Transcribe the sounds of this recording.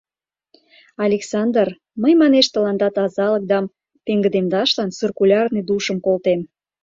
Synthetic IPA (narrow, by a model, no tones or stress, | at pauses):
ɑlʲeksɑnd̪ər | məjmɑneʃt̪əlɑnd̪ɑt̪ɑzɑlək̚d̪ɑm | t̪eŋɡə̆d̪emd̪ɑʃlɑnsyrkulʲɑrned̪uʃəmkolt̪em